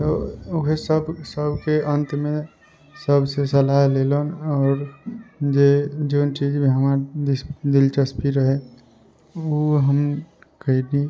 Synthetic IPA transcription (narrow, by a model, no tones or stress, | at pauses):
t̪oʊɦesəbsəbʱkeə̃nt̪mẽ | səbsesəlaɦleːlonɔːɾd͡ʒed͡ʒoːnt͡ʃiːd͡ʒbʱiɦəmaːɾd̪ɪsd̪ɪlt͡ʃəspiɾəɦe | oɦəm | kəid̪i